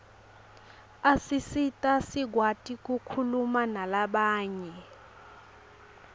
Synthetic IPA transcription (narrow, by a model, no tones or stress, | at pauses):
asisitʼasiɡ̬ʱwatʼik̬ʼukʰulumanalaɓaːɲɛ